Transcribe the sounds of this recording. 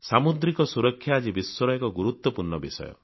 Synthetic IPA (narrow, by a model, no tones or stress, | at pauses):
samud̪ɾikɔsuɾɔkʰːjaːd͡ʒibiswɔɾɔjɔkɔɡuɾut̪wɔpuɾnɔbisɔ̰jɔ̰